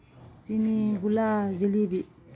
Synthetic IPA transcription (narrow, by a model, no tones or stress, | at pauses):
t͡siniɡulazilibiʔ